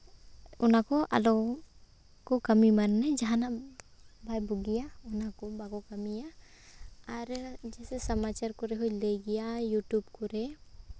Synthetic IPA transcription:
unakɔʔa̰lɔ | kɔkəmimanːɛd͡ʒaɦana | bʱajbuɡijaunakɔbaɡɔkəmijaː | ɾd͡ʒɛsɛsəmat͡ʃaɾkɔɾɛɦujleɡijajuʈjubkɔɾɛ

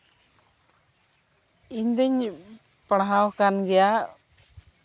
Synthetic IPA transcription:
iɲd̪ɛɲ | pəɽ̃ɦawkanɡɛja

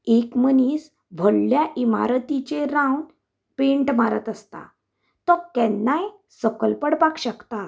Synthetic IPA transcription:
ekməniːs | bʱəɽːjaʔima̰ɾət̪it͡ɕeɾãwn | pẽɳʈmaɾət̪əst̪a̰ | t̪ɔkɛ̃nːaj | səkəlpəɽpakɕəkt̪a

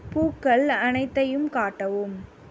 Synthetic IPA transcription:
puːkːɐɭɐnɐɪt̪ːɐjɯmkaːʈːɐʋɯm

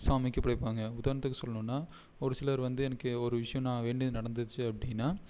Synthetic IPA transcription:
saːmɪkːɯpɐɽɪpːaːŋɡɐʊðaːɾnɐt̪ːɯkːɯsɔlːɐnũːnːaː | ɔɾɯsɪlɐɾʋɐnd̪ɯɛnɐkːɯɔɾɯʋɪʂɐjɔ̃nãːʋeːɳɖiðnɐɽɐnd̪ɯt͡ʃːɯɐpːɐɽɪnːaː

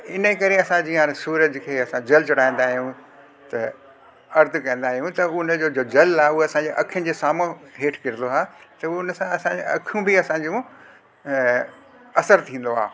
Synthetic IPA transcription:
ɪnəkɐɾeɐsãd͡ʑiːãsuːɾəd͡ʑkʰeːɐsãd͡ʑɐlt͡ɕʊɽaːĩn̆d̪aːɦijũ | t̪ɐ | ɐɾt̪ʰkɐ̃n̆d̪aːɦijũt̪ɐʊnd͡ʑoːd͡ʑoːd͡ʑɐlaːɦʊɦeɐsãːɲd͡ʑeːʔɐkʰijənɪ̆d͡ʑeːsaːmõɦeːʈʰkɪɾɪnd̪oaːt̪ɐʊnə̆sãɐsãd͡ʑeɐ̰kʰjũbɪɐsãd͡ʑũ | ɐsəɾt̪ʰĩːn̆d̪oa̰ː

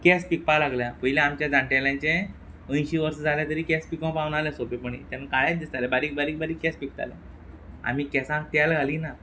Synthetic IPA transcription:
kɛspik̚palaɡljapəjlẽamt͡ɕjad͡zãɳʈjaljãɲt͡ɕẽ | ə̃j̃ɕiːʋəɾsəd͡zʱaljat̪əɾiːkɛspikõw̃paʋnalẽsopepəɳḭːt̪anakaɭjat͡sd̪ist̪alɛbaɾiːk̚baɾiːk̚baɾiːkːɛspik̚t̪a̰lḛ̃ | a̰m̤iːkɛsãʈ̪alɡʱaliːna

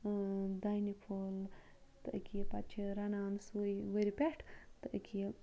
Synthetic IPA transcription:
d̪ajnipʰoːl | t̪əʔkʰipɐt͡ʃʰiɾɐnaːnsujʋəɾipʲeʈʰt̪əʔkʲʰi

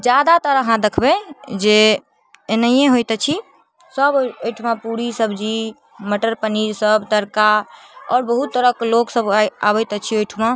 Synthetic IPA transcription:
d͡ʒjad̪at̪əɾəɦãd̪ekʰbɛd͡ʒe | enəjẽɦojt̪ət͡ʃʰi | səbojʈʰmãpuɾisəbʱd͡ʒi | məʈəɾpəniɾsəbt̪əɾkaɔːɾbəɦut̪ːəɾəkloksəbabɛjt̪ət͡ʃʰiojʈʰumã

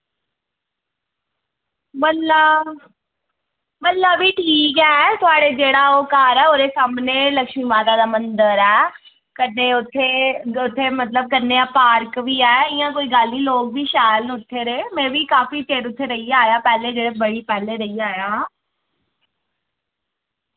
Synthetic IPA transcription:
məla | mət̪laːbiːʈʰiːkɛːt̪ʊaːɽeːd͡ʒeːɽaːoːkaːɾɛːoːd̪eːsaːmneːləkʃmiːmaːt̪aːd̪aːmənd̪əɾɛː | kəneːʊt̪ʰːeːʊt̪ʰːeːmət̪ləb̚kənːeːaːpaːɾkʋiːɛːɪjãːkoːiːɡaːlːiːloːk̚biːʃaːjlnːʊt̪ʰːeːɾeːmɛ̃ːʋiːkaːfiːt͡ʃeːʈʊt̪ʰːeːɾəiːaːjaːpɛːleːd͡ʒeːɽeːbəɽiːpɛːleːɾəiːaːjãː

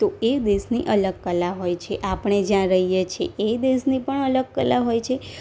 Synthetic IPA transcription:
t̪oed̪esnḭʔələɡ̚kəlaɦojt͡ʃʰeʔapəɳ̃ed͡ʒjãɾəɦijet͡ʃʰḛʔed̪esnipəɳələɡ̚kəlaɦojt͡ʃʰe

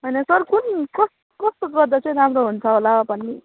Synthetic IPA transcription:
ɦʌjnʌsʌrkunkʌst̪okʌst̪oɡʌrd̪ʌt͡sʰʌj̃ɾɦamroɦunt͡sʰʌɦolabʌni

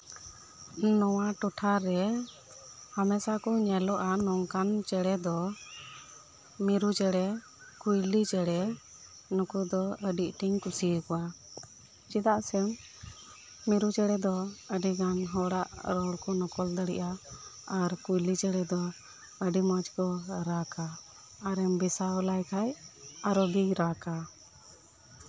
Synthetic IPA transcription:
nɔwaʈɔʈʰaɾɛ | hamɛsakɔɲɛlɔʔanɔŋkant͡ʃɛɽɛd̪ɔ | miɾut͡ʃɛɽɛ | kujlit͡ʃɛɽɛ | nukud̪ɔəɖiʔʈiŋkusikɔwa | t͡ʃid̪aʔsɛm | iɾud͡ʒɛɽɛd̪ɔəɖiɡanɦɔɽaʔɾɔɽkɔnɔkɔld̪əɽḭʔa | aɾkujlid͡ʒɛɽɛd̪ɔ | əɖimad͡ʒkɔɾakaː | ɾɛmbisawlajkʰajaɾɔɡiɾaka

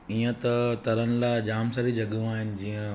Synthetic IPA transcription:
iːə̃t̪ɐt̪ɐɾənɪ̆laːɪd͡ʑaːmsəɾid͡ʑʱɐɠũaːɦɪnɪ̆d͡ʑĩːə̃

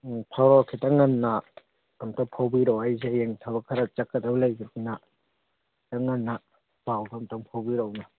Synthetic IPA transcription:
pʰawɾɔkʰitaŋanːa | amtɔŋpʰawbiɾɔwajzejeŋtʰabakʰaɾat͡ʃakːadawlajbakʰina | taŋanːa | b̥awɡamtɔŋpʰawbiɾɔwna

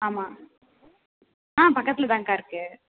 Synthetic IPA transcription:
aːmaː | ãːpɐkːɐt̪ːɪlɐt̪ãːŋkaːɪɾɯkːɯ

